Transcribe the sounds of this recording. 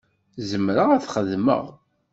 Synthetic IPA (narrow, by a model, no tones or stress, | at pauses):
zəmɾəʁæθχəðmə̰ʁ